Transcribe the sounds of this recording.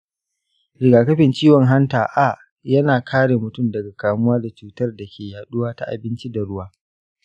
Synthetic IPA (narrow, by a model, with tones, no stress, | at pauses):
ɽɪ˨ɡaː˨kɐ˦ɸɪ˨nt͡ʃiː˦wɔ˨ŋɦa˦ntaː˨ʔa˨ʔ | jɐ˦naː˨kʰaː˦ɽe˨mʊ˨tʊ˦˨mdɐ˨ɡa˨kaː˨mʊ˦waː˦da˨t͡ʃuː˨tɐ˦rda˨kʲʰeː˨jaː˨ɗʊ˦waː˦ta˦ʔa̰˨bɪ˦nt͡ʃi˦da˨ɽʊ˦waː˦